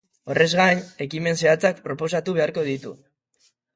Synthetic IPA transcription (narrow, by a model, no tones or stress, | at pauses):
o̞rʔe̞zɣaɲe̞kime̞nse̞at͡sak̚pɾo̞po̞s̬at̪uβ̞e̞aɾko̞ð̞it̪ṵ